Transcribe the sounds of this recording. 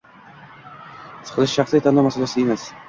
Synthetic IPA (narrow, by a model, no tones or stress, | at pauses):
sɨ̥qʰɨlˠɪʃʃɑχsɪet̪ʰanawmasalasɪemas